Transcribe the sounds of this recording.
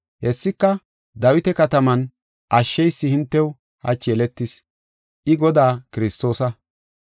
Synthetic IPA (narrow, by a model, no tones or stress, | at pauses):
hɛsːɪkːɐ | d̪ɐwɪt̪ɛkɐt̪ɐmɐn | ʔɐʃːɛjsːɪhɪnt̪ːɛw | hɐ̰t͡ʃeːlɛt̪ːɪs | ʔɪɡɔd̪aːkɪɾɪst̪o̞ːsɐ